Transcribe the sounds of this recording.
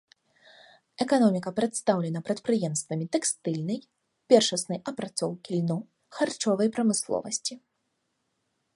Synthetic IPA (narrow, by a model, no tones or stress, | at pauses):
ɛkanɔmʲikɐpɾɛt̪st̪awlʲɛnɐpɾɐt̪pɾɨjɛmst̪vɐmʲit̪ɛkst̪ɨlʲnɐj | pʲɛrʂɐsnɐjʔɐpɾat̪sɔwkʲilʲnɔ | xart͡ʂɔvɐjpɾɐmɨslˠɔ̰vɐsʲt͡sʲi